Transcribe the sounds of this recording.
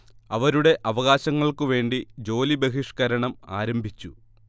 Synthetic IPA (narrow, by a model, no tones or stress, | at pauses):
ɐʋɐɾuɽe̞ʔɐʋɐɣaːɕɐŋːɐɭkɨʋe̞ːɳɖid͡ʑo̞ːlibeɦiʂkɐɾɐɳɐma̰ːɾɐmbʱit͡ɕːu